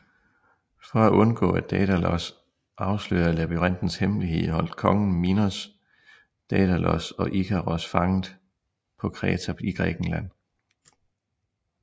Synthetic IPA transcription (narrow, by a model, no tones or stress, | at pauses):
fɒ̽æʔɔ̽nɡ̥ɔ̰̽ːæd̥ɛd̥ælɒs | ʔɑ̈ʊslø̰ːɐlæb̥iʁɑn̰d̥n̩shemliɦe̝ð̰ˠhɒ̽l̰d̥̚kʰɒ̽ŋn̩minos | d̥ɛd̥ælɒsɒ̽ʔikʰæʁɒsfɑ̈ŋð̩ˠ | pʰɒ̽kʰʁɛːt͡sʰæiɡ̥ʁɛːɡ̥n̩læn̰